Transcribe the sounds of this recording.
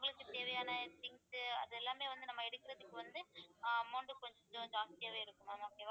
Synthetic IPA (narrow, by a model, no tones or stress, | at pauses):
ʊŋɡɐɭɯkːɯt̪eːʋɐjaːnɐt̪ɪŋsɐðɛlːaːmeːʋɐnd̪ɯnɐmːɐɛɽɯkːɪɾɐðɯkːɯʋɐnd̪ɯmɐːɳɖɯkɔɲd͡ʒt̪oɲd͡ʒaːŋtɪjeːʋeːɪɾɯkːɯmɐnɔkːeːʋa